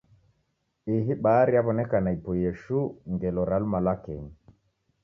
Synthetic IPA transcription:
iɦiɓaːɾiaβɔnɛkanaipɔjɛʃuŋɡɛlɔɾalumalakɛɲi

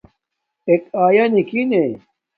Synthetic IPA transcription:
ekaːjanikine

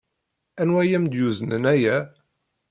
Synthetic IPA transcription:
ænwæjæmd̪juzənənæjæ

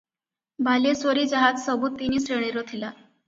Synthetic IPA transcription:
bʱalesʋəɾiːd͡ʑaɦat̪səbuːt̪ːiniːsɾeɽ̃iɾot̪ʰila

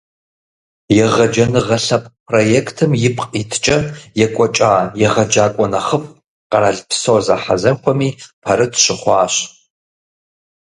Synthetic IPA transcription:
jɛʁɐd͡ʒɐnɨʁɐɬɐpʼpʰrojekʰtʰɨmjɪpʰʼqʼitʰt͡ʃʼɐjɛkʷʼɔt͡ʃʼaːjɛʁɐd͡ʒaːkʷʼɔnɐχəpʼ | qɐɾaɮpʰsoːza̰ħazɐxʷʰɔmiːpʰɐɾɨtʰʃɪχʷɑːɕ

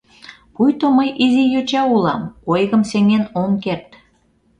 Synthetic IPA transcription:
kujt̪omɤjʔizijøt͡ɕɑulɑ̰mkojɣə̆mseŋenomkert̪

